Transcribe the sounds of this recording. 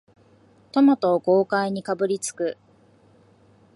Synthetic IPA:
t̪o̞mot̪o̞ːko̞ːkaiɲ̟ikabɯ̟ɾʲit͡sɨ̥kɯ̟

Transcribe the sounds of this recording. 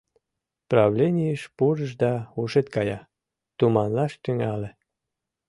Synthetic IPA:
prɑβlʲenʲijəʃpuɾəʃd̪ɑuʃet̪̚kɑjɑ | t̪umɑnlɑʃt̪yŋɑle

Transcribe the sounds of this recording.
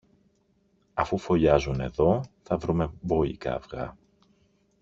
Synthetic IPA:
ɐfufo̞ʎɐzune̞̰ðo̞θɐvɾume̞bo̞ḭkɐ̰vɣɐ̰

